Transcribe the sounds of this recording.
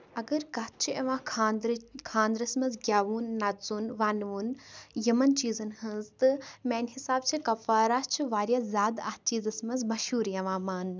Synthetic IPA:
ɐɡɐɾkɐt̪̚t͡ʃʰiʔɐʋãːkʰaːd̪ɾkʰãːnd̪ɾɐsmɐzɡʲaːʋuːnːɐt̪zunʋaːnʋunjɐmɐnt͡ʃiːzɐnhɐnzt̪ɨmeːnhisaːb̚t͡ʃʰikɐfaːɾaːt͡ʃʰiʋaːɾʲjazʲaːd̪ah̚t͡ʃiːzɐsmɐzmɐʃuːɾjɐʋãːmaːn

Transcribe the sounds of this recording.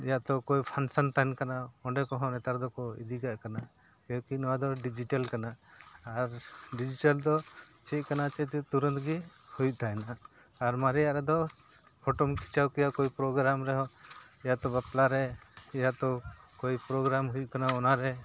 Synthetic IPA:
jaʔt̪ɔkɔjpʰansant̪ankanaɔɳɖɛkɔɦɔ̃nɛt̪aɾd̪ɔkɔḭd̪iɡaʔ̚kana | kɛɔkinɔwad̪ɔɖid͡ʒiʈalkanaː | ɾɖid͡ʒiʈald̪ɔt͡ʃɛt̪̚kanat͡ʃɛt̪ɛt̪uɾə̃nt̪ʰɡi | hujt̪aɛnaː | ɾmaɾijaʔɾɛd̪ɔpʰɔʈɔmkʰi̥t͡ʃawkɛjakoipɾɔɡɾamɾɛɦɔ | jat̪ɔbaplaɾɛjat̪ɔ | kojpɾɔɡɾamɦujukanaɔnaɾɛ

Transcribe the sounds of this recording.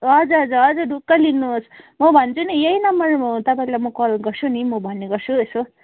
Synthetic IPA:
ʌd͡zuʌd͡zuʌd͡zʌɖʱukːalinːuosmʌbʱʌnt͡sʰunijeɦinʌmːʌrt̪ʌpãĩlajmʌkolɡʌrt͡sʰunimʌbʱʌnːeɡʌrt͡sʰueso

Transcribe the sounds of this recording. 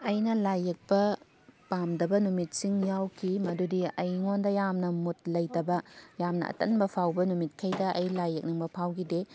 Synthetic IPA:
ɐjnɐlajɐk̚pɐ | pamdɐbɐnumit̚siŋjawkʰimɐdudiɐjŋondɐjamnɐmut̚lɐjtɐbɐjamnɐ̰ʔɐ̰tɐnbɐpʰawbɐnumit̚kʰɐjdɐʔɐjlajːɐk̚niŋbɐpʰawɡide

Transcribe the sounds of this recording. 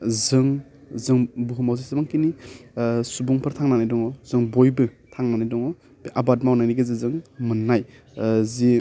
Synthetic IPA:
zɯŋ | zɯŋbuɦumawzisabaŋkini | subuŋpʰɯɾtʰaŋnanajdɔŋɔz̥ɯŋbojbɯ | tʰaŋnanajdɔŋɔ | bʔabatmawnajniɡezizɯŋmɯnːaj | zi

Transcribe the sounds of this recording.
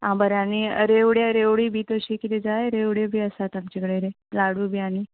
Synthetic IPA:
ãmbəɾaniə̰ɾeʋɽjeɾeʋɽiːbʱit̪oɕekit̪id͡zaeɾeʋɽebʱiəsat̪amt͡ɕikəɽeɾe | laɽuːbʱiani

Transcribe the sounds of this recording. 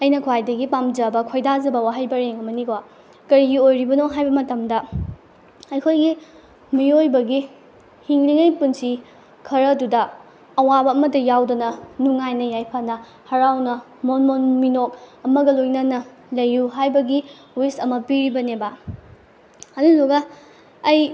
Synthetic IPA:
ɐjnɐkʰwajdɐɡipamzɐbɐkʰojdazɐbɐwaɦɐjbɐɾeŋɐmɐnikʰowa | kɐɾiɡiojɾibɐnoɦajbɐmɐtɐmdɐ | ɐjkʰojɡi | miojbɐɡi | hiŋliŋɐjpunsi | kʰɐɾɐdudɐː | wabɐːmɐtɐjawdɐnɐnuŋajnɐjajpʰanɐ | hɐɾawnɐ | monmonminok̚ɐmɐɡɐlojnɐnɐ | lɐjːuɦajbɐɡi | wistɐmɐpiɾibɐnebɐ | ɐduluɡɐː | j

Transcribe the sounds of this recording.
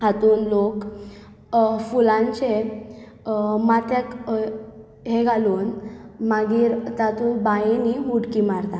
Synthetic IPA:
hat̪uːnlok | fulãɲt͡ɕe | mat̪jak | ɦeɡʱaluːnmaɡiːɾt̪at̪uːnbainiɦuɽkimaɾt̪a

